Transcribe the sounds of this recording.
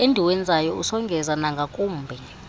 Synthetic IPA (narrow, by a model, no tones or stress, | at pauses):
endʱiwɛnd͡zʱajɔusɔŋɡʱɛzanaŋɡʱakʼuːmbʱɛ